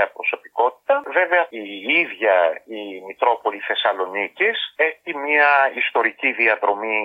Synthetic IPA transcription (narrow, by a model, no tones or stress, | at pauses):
ɐpɾo̞so̞pi̥ko̞t̪i̥t̪ɐve̞veɐiiðʝɐimit̪ɾo̞po̞liθe̞sɐlo̞niciseçimɲiɐist̪o̞ɾiciðiɐðɾo̞mi